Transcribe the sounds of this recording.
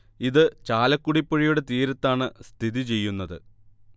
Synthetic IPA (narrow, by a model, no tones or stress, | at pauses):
iðɨt͡ɕaːlɐkːuɽipːoɻijuɽe̞t̪iːɾɐt̪ːaːɳɨst̪ʰiðit͡ɕe̞jːunːɐðɨ̰